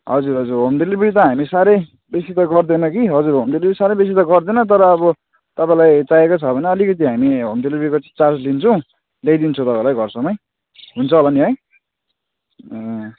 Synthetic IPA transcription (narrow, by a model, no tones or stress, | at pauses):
ɦʌd͡zuɾʌd͡zurɦomɖelibɾit̪ʌɦamisaɾʌj | besit̪ʌɡʌrd̪enʌkiɦʌd͡zuɾɦomɖelibɾisaɾʌjbes̬it̪ʌɡʌrd̪enʌt̪ʌɾʌːbʌ | t̪ʌpãĩlajt͡sajekot͡sʰʌbʱʌneʌlikʌt̪̬iɦamiɦomɖelibɾikot͡sat͡slint͡sʰʌw̃ | lejd̪int͡sʰʌ̃t̪ʌpãĩlajɡʱʌrsʌmʌj | ɦunt͡sʰʌolʌniɦʌj